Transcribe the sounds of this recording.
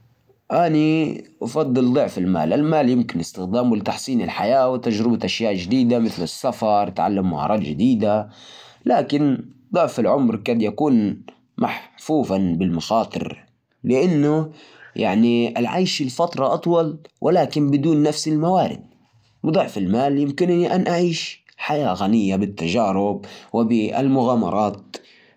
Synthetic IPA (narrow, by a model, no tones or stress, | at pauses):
ʔaniʔɑfɑd̪ˤːɨld̪ˤɨʕfɪlma̰ːlʔalmaːljɪmkɪnʔɪst̪ɪxd̪aːmwʊlɪt̪aħsˤiːnɪlħajaːwɪt̪ad͡ʒɾɪbaʔaʃjaːʔd͡ʒɪd̪iːd̪amɪθlɪsːafɑɾˤt̪ʕa̰lːamːʊʕɑ̰ɾˤɑːlʒɪd̪iːd̪a | laːkɪnd̪ˤɨʕfɪlʕʊmɾkaːd̪jakuːn | maħfuːfabɪlmaxɑːt̪ˤɨ̰ɾ | lɪʔanːʊjʔa̰ʕniʔɪlʕa̰jʃɪlfɑt̪ɾˤɑʔɑt̪ˤwɑlwʔɪlaːkɪnbɪd̪uːnːafsɪlmawaːɾɪ̰d̪̚ | bd̪ˤʊʕfɪlmaːljɪmkɪnʔniʔanʔaʕiːʃ | ħajaːɣanɪjːabɪt̪ːaʒaːɾɪb̚wɪbɪɪ̰lmʊɣaːmɑ̰ɾˤɑːt̪